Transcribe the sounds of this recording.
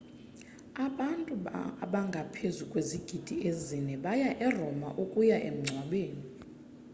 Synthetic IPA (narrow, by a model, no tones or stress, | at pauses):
aɓantʼuɓaŋɡʱapʰezukʼweziɡ̥ʱid̥ʱiezinɛɓajaʔɛrɔma̰ʔukʼujaʔḛm̩ŋ͡ǀʱwaɓeːni